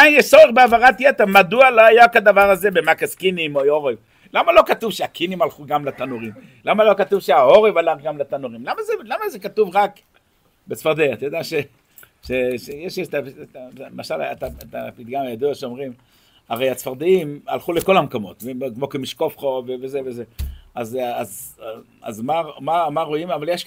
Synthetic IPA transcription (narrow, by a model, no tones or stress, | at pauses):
ainjɛʃsoeʁbeavaʁatjet̪eʁmad̪ualoajakad̪avaʁaze̞bemakaskinimooʁev | lamalo̞katuvʃeakʰinimalχuɡamlat̪anuʁim | lamalo̞kat̪uvʃeao̞ʁevalaχɡamlat̪anuʁimlamazelamazekatuvʁak | besfaʁd̪eat̪ajod̪eaʃe | ʃeʃejeʃt̪ataemaʃala̰a̰t̪aet̪apit̪̚ɡamajad̪ujot̪ʃeo̞mʁim | aʁejat͡sfaʁd̪iima̰lχuleko̞lamkomo̞tvekmo̞kemiʃkofχovevezevezeazaz | a̰zmamamaʁo̞imavaljeʃ